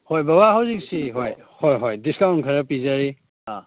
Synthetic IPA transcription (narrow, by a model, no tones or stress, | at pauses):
hɔjbaβaɦawzik̚siɦɔj | hɔjɦɔjdiskawnkʰaɾapizaɾi | ã